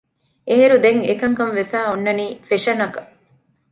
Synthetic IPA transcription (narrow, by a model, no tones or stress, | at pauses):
eɦeɾud̪eŋekɐŋkɐnʋefæːonːɐniːfeʃɐnɐkɐ̥